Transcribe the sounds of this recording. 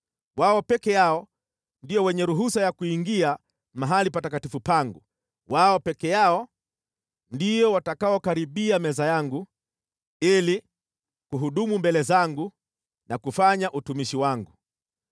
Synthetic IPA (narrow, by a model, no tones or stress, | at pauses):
waɔpɛkɛjaɔ | ndiɔwɛɲɛɾuɦusajakuiŋɡia | maɦalipatakatifupaŋɡu | waɔpɛkɛjaɔ | ndijɔwatakaɔkaɾiɓiamɛzajaŋɡu | ili | kuɦuɗumumbɛlɛzaŋɡu | nakufaɲaʔutumiʃiwaŋɡu